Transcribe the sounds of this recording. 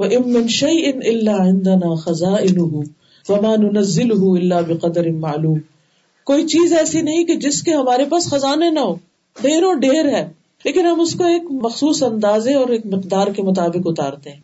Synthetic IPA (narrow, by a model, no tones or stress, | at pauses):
wɐʔɪmːɪnʃɐjʔɪnɪlːaːʕɪ̃nd̪ɐnaːxɐzaːʔɪnʊɦʊ | ʋɐmaːnʊnɐzːɪlʊɦʊɪlːaːbɪqɐd̪ɐɾɪnmaːluːm | koːit͡ʃiːzɛːsinɐɦĩked͡ʒɪskeɦɐmaːɾepaːsxɐzaːnenɐɦoː | ɖeːɾoːɖeːɾɦɛː | leːkɪnɦɐmʊskoeːkmɐxsuːsɐ̃nd̪aːzẽɔːɾeːk̚mɪqd̪aːɾkemʊt̪̬aːbɪqʊt̪a̰ːɾt̪eɦɛ̃ː